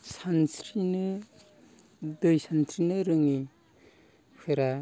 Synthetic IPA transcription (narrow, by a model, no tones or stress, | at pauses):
sansɾinɯ | d̪ɯjsant̪ʰɾinɯɾɯŋi | pʰɯɾa